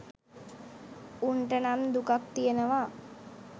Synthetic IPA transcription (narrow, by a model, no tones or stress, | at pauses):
uɳʈənamd̪ukakt̪ijenəʋa